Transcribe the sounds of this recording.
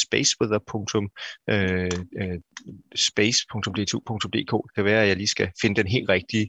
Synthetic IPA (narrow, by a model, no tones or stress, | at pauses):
sb̥eɪsb̥eðˠɐpʰɔ̽ŋt͡sʰɔ̽mø | sb̥eɪspʰɔ̽ŋt͡sʰɔ̽md̥e̝ːt͡sʰṵpʰɔ̽ŋt͡sʰɔ̽mde̝̰ːkʰɔ̰̥ːkʰæʋæːɐæjɑ̈ɪliːsɡ̥æfe̝nəd̥enɦe̝̰ːld̥ʁɛɡ̥̚d̥i